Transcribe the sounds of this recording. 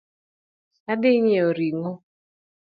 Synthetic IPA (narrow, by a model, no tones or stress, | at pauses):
sadɪɲeoɾiŋo